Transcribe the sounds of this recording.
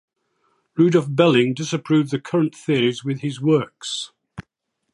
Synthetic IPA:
ɹʉːdɔfbɛlɪ̃ŋdɪsəpʰɹ̥ʉːvðəkʰʌɹə̃nʔθɪəɹɪzwɪð̥ɪzwɜˑks

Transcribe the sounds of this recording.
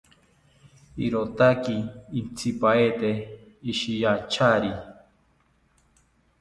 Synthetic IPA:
ḭɾot̪akiːnt͡sʰipaet̪eiʃijat͡ʃʰaɾi

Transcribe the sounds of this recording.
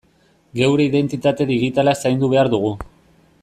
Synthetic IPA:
ɡe̞wɾe̞iðe̞nt̪it̪at̪e̞ðiɣ̞it̪alaesajnd̪uβ̞e̞aɾðuɣ̞u

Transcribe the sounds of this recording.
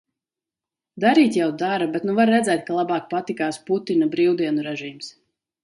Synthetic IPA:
d̪aɾiːt̪jawd̪aɾabɛt̪nuvaɾːɛd̪zɛːjt̪̚kalˠabɑːk̚pat̪ikaːsput̪inabɾiwd̪iɛnuɾɛʒiːms

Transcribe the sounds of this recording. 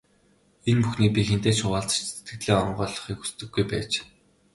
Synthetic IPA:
enpuxniːk̚pʲixent̪eːt͡ɕʰʊʁaːɮt͡s̆t͡ɕt͡sʰet̪ɡɘ̆t̪ɮeːɔɴɢœːɮɞ̆χiːku̥st̪ɘ̆ɡːujpæ̰ːt͡ɕ

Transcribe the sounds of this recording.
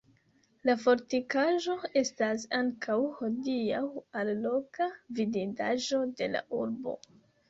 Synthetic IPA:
lafo̞ɾtikaʒo̞e̞stasaŋkʰawho̞diawalːo̞kavidida̰ʒo̞de̞la̰ʔuɾbo̞̰

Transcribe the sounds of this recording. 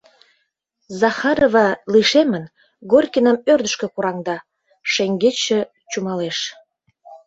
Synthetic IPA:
zɑxɑɾovɑliʃemən | ɡorʲkʲinəmørd̪əʃkĕkuɾɑŋd̪ɑ | ʃeŋɡet͡ɕĕ | t͡ɕumɑleʃ

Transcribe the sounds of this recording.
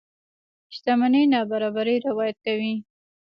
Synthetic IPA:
ʃt̪amanəjnɑbaɾɑbaɾəjɾɪwɑjat̪̚kawi

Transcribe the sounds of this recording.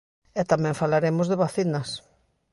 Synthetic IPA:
ɛt̪amɛ̃ɱfalaɾemozðɪβaθinɐs

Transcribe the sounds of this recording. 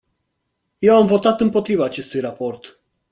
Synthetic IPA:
je̞wamvo̞t̪at̪ɨmpo̞t̪ɾivaːt͡ʃe̞st̪ujrapo̞rt̪

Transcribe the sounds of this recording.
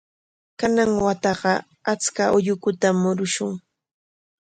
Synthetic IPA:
kanaŋwat̪ɑɢɑ | at͡skaʔʊʎʊkʊt̪amːʊɾʊʃʊŋ

